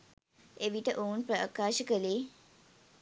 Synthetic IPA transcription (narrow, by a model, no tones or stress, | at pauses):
eʋiʈəʔounpɾɐa̰kaːʃəkəleː